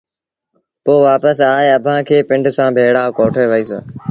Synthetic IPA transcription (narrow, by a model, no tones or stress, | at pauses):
poːʋaːpəsaːeɐbʱãːkʰeːpɪ̃ɳɖsãːbʱeːɽaːkoːʈʰoːʋəiːso̰ː